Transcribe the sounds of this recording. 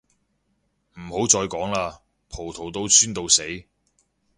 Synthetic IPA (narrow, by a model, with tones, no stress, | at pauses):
m̩˨˩ho˨˥wt͡sɔː˧jkɔː˨˥ŋlaː˧ | pʰo˨˩wt̪ʰo˨˩wt̪o˧wsʰyː˥nt̪o˧wse˨˥j